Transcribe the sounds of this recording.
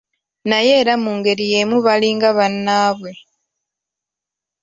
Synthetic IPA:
naje̞ːɾamuːŋɡe̞ɾije̞ːmuβaliːŋɡaβanːaːβwe̞

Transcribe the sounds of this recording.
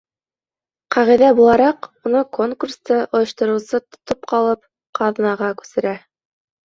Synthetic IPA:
qɑʁiðæbulˠɑɾɑqunɤko̞ŋkurst̪ɤʔŏjɤ̆ʃt̪ŏɾɤ̆wsɤt̪ŏ̥t̪op̚qɑlˠɤp̚ | qɑðnɑʁɑkʉ̥sɘ̆ɾæ

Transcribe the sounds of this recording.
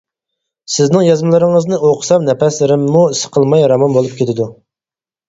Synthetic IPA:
sɪznɪŋjɑzmɨlˠɨɾɪŋəznɨʔoqʰʊ̥sɑmnɛpɛslɪɾɪmːusə̥qʰəlˠmɑjɾɑmɑnbolˠup̚kʲʰet̪ʰɪd̪u

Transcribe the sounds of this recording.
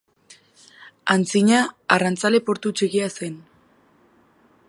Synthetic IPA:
ant͡siɲaarant͡sale̞po̞ɾt̪ut͡ʃeɣiase̞n

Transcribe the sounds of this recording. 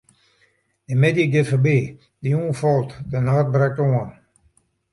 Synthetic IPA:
dəmedjəɡɪtfəbeː | diuːnfɔlˠtdənaːt̚bɾɛk̚toən

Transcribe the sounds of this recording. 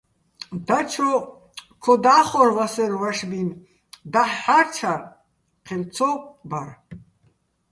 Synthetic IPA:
d̪at͡ʃʰɔ | kʰɔd̪aːχɔɾvasɛɾvaʃbin | d̪aħːaɾt͡ʃʰaɾ | qʰilt͡sʰɔbaɾ

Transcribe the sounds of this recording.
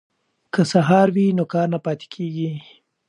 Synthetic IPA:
kəsaɦɑɾwinokɑːɾnapɑt̪e̥kʰeɡi

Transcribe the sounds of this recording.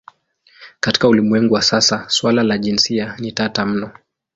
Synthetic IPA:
kati̥kaulimwɛŋɡuwasasaswalalaʄinsianitatam̩nɔ

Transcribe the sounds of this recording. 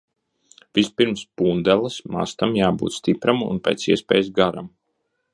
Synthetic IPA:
v̥ispiɾmspuːnd̪ɛlˠasma̰st̪amjaːbṵːt̪st̪ipɾamṵnpʲɛ̰ːt̪siɛspɛ̰ːjsɡaɾa̰m

